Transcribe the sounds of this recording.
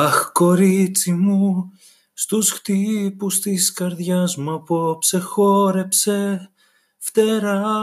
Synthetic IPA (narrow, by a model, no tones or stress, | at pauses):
ɐxko̞ɾit͡simu | st̪usxt̪ipust̪iskɐɾðʝɐzmuɐpo̞pse̞xo̞ɾe̞pse̞ | ft̪eɾɐ